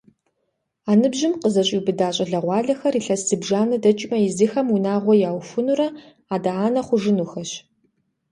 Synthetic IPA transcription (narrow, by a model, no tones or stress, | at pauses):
aːnɨbʑɪmqəzɐɕʼibɨdaːɕʼɐɮɐʁʷɑːɮɐxɐriːɬɐsɨbʒaːnɐdɐt͡ʃʼmɐjɪzixɐmunaːʁʷɔjaːwfʊnuɾɐ | aːdaaːnɐχʷʊʒɨnuxɐɕ